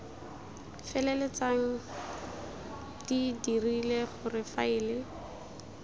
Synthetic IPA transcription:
fɛlɛlɛt͡saŋ̩ | d̥idirileχʊrɪfaɪːlɪ

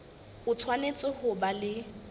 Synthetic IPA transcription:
ʊt͡sʰwanet͡sʼʊhʊbalɪ

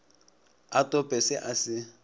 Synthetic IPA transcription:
atʼɔpʼɛsɪʔasɪ

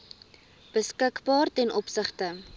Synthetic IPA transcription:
b̥əskəkbɑːrtɛnʔɔpsəχtə

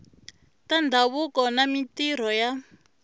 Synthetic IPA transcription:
tandʱaβukɔnamitiɾ̤ɔja

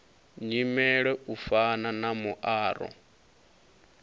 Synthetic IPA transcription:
ɲimɛɺɛufananamuʔaːɾɔ̰

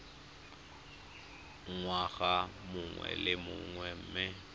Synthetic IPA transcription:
ŋwaɣamʊŋwɛ̰lɪmʊŋwɛm̩ːmɪ

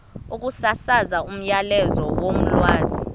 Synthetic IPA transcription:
uk̬usasazaum̩jalɛzɔwom̩lwaːzi

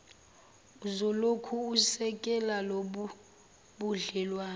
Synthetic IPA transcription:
uzɔlokʰuːsɛkʼɛlaloɓu | ɓuɮɛlwaː

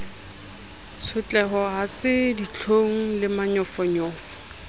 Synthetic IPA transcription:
t͡sʰʊt͡ɬʼɛχɔɦasɪdit͡ɬʰoŋ̩lɪmaɲɔfɔɲɔːfɔ̥

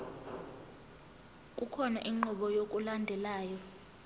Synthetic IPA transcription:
kʼukʰɔnaʔiŋ͡ǃɔɓɔjok̬ʼulandʱɛlaːjɔ

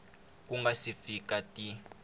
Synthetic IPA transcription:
k̬ʼuŋɡasifikatʼi

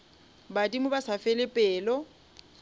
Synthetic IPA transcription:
badimʊbasafɛlɪpʼɛːlɔ

